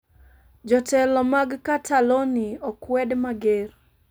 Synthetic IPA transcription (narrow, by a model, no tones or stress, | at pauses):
d͡ʒɔtɛlɔmaɡkatʰaloniɔkwɛdmaɡer